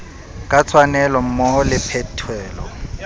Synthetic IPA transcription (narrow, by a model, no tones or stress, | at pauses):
kʼat͡sʰwanɛlɔm̩mɔhɔlɪpʰɛtʰwɛːlɔ̰